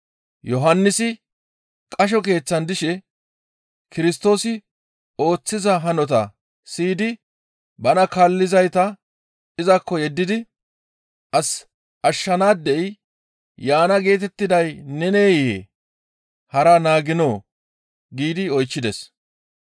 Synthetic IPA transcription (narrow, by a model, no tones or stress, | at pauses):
jɔɦɐnːɪsɪ | kʼɐʃ̬ɔke̞ːt͡sːɐnd̪ɪʃɛ | kɪɾɪs̬t̪o̞ːsɪ | o̞ːt͡sːɪzɐɦɐnɔt̪ɐ̰ | siːd̪ɪ | bɐnɐkalːɪzɐjt̪ɐ | ɪzɐkːɔjɛd̪ːɪd̪ɪ | ʔɐs | ʔɐʃːɐnaːd̪ːɛʔj | jaːnɐɡe̞ːt̪ɛt̪ːɪd̪ɐjnɛneːjḛ | hɐɾɐnaːɡɪno̞ː | ɡiːd̪ɪɔjt͡ʃːɪd̪ɛs